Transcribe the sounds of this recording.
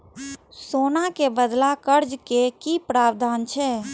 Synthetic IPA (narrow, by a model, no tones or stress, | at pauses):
soːnakebəd̪lakəɾd͡ʒkekipɾaːbd̪ʱaːnt͡ʃʰɛ